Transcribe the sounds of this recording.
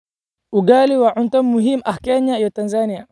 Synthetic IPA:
uɡaliwaʕuntɔmːuɦimahkɛɲajɔtanzania

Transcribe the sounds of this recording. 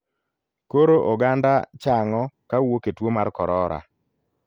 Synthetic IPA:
koɾoʔoɡandat͡ʃaŋɔkawoketwomarkɔɾɔɾa̰

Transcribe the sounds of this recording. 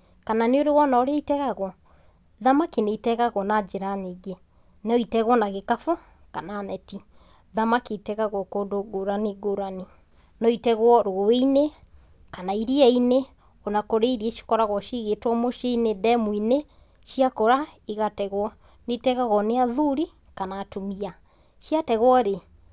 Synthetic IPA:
kananeoɾewɔnaoɾeaitɛɣaɣwɔ | ðamakineitɛɣaɣwɔnad͡ʒeɾaneɡe | nɔitɛɣwɔnaɣekafɔ | kananɛti | ðamaketɛɣaɣwɔkoːdoɡoɾaniɡoɾani | nɔitɛɣwɔɾoeine | kanaiɾiɛine | ɔnakoɾeiɾieʃi̥kɔɾaɣwɔʃiɣetwɔmoʃeinedɛmwine | ʃiakɔɾaiɣatɛɣwɔ | netɛɣaɣwɔneaðuɾi | kanatomia | ʃiatɛɣwɔɾe

